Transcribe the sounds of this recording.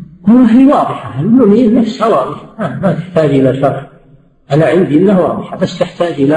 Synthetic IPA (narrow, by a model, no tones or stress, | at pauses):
ʔɪlːaɦiːwɑːðˤɨħaɪnːuninːafshawɑːðˤɨħaamat̪ɪħt̪aːd͡ʒʔɪlaʃɑɾˤħ | ʔanaʕɪnd̪iʔɪnːahwɑːðˤɨħabasːt̪ɪħt̪aːd͡ʒʔɪla